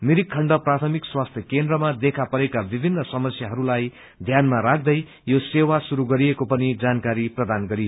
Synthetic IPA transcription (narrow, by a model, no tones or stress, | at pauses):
miɾikʰːʌɳɖʌprat̪ʰʌmikswast̪ʰjʌkend̪ɾʌmad̪ekʰapʌɾekabibʱinːʌsʌmʌsjaɦʌɾulaj | d̪ʱjanmaɾak̚ʰd̪ʌj | josewasuɾuɡʌɾijekopʌnid͡zankaɾiprʌd̪anɡʌɾio